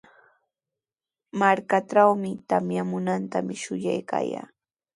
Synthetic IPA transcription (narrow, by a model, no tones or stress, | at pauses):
maɾkaʈ͡ʂawmɪt̪amjamʊnant̪amɪʃʊjajka̰ːja̰ː